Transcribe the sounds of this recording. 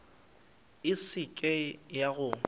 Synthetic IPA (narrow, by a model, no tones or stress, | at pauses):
ɪsɪkʼɛjaɣʊ